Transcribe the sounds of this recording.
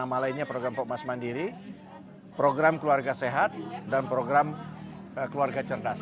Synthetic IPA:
malainɲapɾoɡɾampɔmasmandiɾi | pɾoɡɾamkəluarɡaseɦat̪̚danpɾoɡɾam | kəluarɡat͡ʃərdas

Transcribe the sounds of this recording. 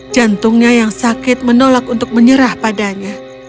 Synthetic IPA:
d͡ʒant̪ʊŋɲajaŋsakɪt̪̚mənolakunt̪ʊk̚məɲəɾahpadaɲa

